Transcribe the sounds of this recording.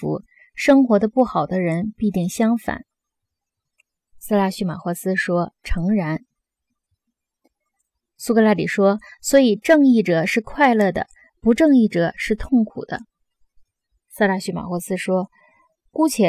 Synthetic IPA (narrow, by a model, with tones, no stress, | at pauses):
ṵ˧˥ | ʂɤ˥ŋxwɔ˧˥d̪ə˧pu˥˩xɑ˨˩ʊd̪ə˦ɻə˧˥npi˥˧t̪i˥˩ŋɕjɑ˥ŋfa̰˨˩˦n | s̩˥˧la˥˩ɕy˥ma̰˨˩xwɔ˧˥sɹ̩˥ʂwɔ˥ʈ͡ʂʰɤ˧˥ŋɻa˧˥n | su˥kɤ˧˥la˥˩li˨˩ʂwɔ˥swɔ˧˥i˨˩ʈ͡ʂɤ˥˧ŋi˥˩ʈ͡ʂɤ˨˩ʂɻ̩˥˧kʰwa˥˧ɪlɤ˥˩d̪ə̰˩ | pu˧˥ʈ͡ʂɤ˥˧ŋi˥˩ʈ͡ʂɤ˨˩ʂɻ̩˥˧t̪ʰʊ˥˩ŋkʰṵ˨˩d̪̥ə̰˦ | sa˥˧la˥˩ɕy˥˩ma̰˨˩xwɔ˧˥sɹ̩˥ʂwɔ˥ | ku˥t͡ɕʰjɛ˧˥